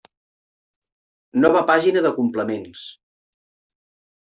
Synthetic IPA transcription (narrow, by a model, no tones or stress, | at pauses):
nɔβ̞əpaʒinəðəkumpləmens